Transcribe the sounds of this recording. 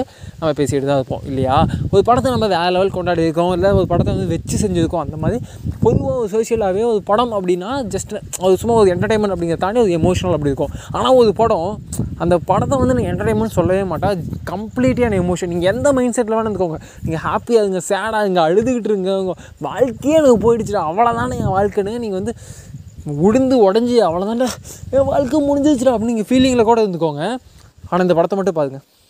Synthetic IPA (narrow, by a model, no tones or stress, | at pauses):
ɯ | nɐmːɐpeːsɪjɪɽɯðãːɐðɯpːõ̰ːʔɪlːɐjaːɔɾɯpɐɽɐt̪ːɐnɐmaðʋaːlɐʋɐlkɔɳɖaːɽiɪɾɯk̬ːʊ̃ɪlːɐɔɾɯpɐɽɐt̪ːɐʋɐnd̪ɯʋɛt͡ʃːɯsɛɲd͡ʒɪðɯkːʊ̃ɐnd̪ɐmaːðɾi | pɔɾɯʋaːɔɾɯsoːsɪjɐlaːʋeːɔɾɯpɐɽɐmɐpːɐɽɪnːaːd͡ʒɐsʈɐðɯsʊmːaːɔɾɯɛɳʈɐɾʈẽɪmɛɳʈɐpːɐɽɪŋɡɾɐt̪aːɳiɔɾɯɛmoːʂɐnɐlɐp̬ːɐɽiɪɾɯkːʊ̃aːnaːɔɾɯpɔɽõɐnd̪ɐpɐɽɐt̪ːɐʋɐnd̪ɯnaːŋɡɐɛɳʈɐɾʈeːnmɛ̃nɖsɔlːɐʋeːmaːʈːãːkɐmpliːʈːjaːnɐɛmoːʂɐnniːŋɡɐɛnd̪ɐmɐɪnsɛʈːlaːnːɾɯnd̪ɯkːoːŋɡɐ | niːŋɡɐhaːpijaːðɯŋɡɐsaːɽaːðɯŋɡɐɐɻɯðɯkɪʈːɪɾɯŋɡɐɡɐ | ʋaːɻkɐjaːnaːŋɡɐp̬oːjɪɽɯt͡ʃːɪʈːãːɐʋɐɭɐt̪ãːniːŋɡɐʋaːɻkenːɯŋɐniːŋɡɐʋɐnd̪ɯ | ʊɽɯnd̪ɯɔɽɐɲd͡ʒɯɐʋɐɭɐt̪ãːnaːʋaːɻkɯmʊɽɪɲd͡ʒɾɪt͡ʃːɪʈãɐpːnniːŋɡɐfiːlɪŋɡlɐkuːɽɐɾɯnd̪ɯkːoːŋɡɐ | aːnaːɪnd̪ɐpɐɽɐt̪ːɐ̃mɐʈːɯ̃paːɾɯŋɡɐ